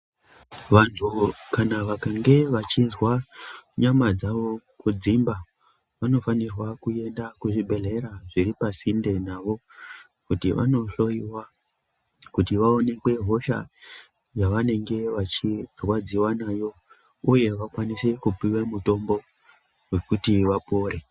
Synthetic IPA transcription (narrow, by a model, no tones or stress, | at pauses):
ʋantʰukanaʋakaŋɡe̞ʋat͡ʃizwaɲamad͡zaʋo̞kud͡zimba | ʋano̞fanirwakue̞ndakuʐibʱe̞ɮe̞ɾaʐiɾipasinde̞naʋo̞ | kutiʋa̰no̞ɬo̞iwa | kutiʋao̞ne̞kwe̞ɦo̞ʃa̰ | jaʋane̞ŋɡe̞ʋat͡ʃirwad͡ziwanajo̞ | uje̞ʋakwanise̞kupiwemuto̞mbo̞ | we̞kutiʋapo̞ːɾe̞